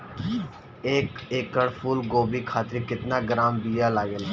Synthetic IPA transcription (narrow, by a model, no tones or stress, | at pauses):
eːkeːkəɽpʰuːlɡoːbikʰaːt̪ɾikɪt̪naɡɾaːmbijalaːɡel